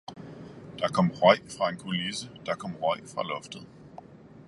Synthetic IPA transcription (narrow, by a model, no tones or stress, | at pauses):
d̥ɑ̈kʰɒ̽m̰ʁɒɪ̰fʁɑ̈e̝nkʰolisəd̥ɑ̈kʰɒ̽m̰ʁɒɪ̰fʁɑ̈lɔ̽fd̥ð̩ˠ